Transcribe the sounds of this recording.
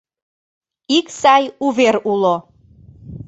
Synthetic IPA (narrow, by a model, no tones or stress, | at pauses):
iksɑjuβeɾulo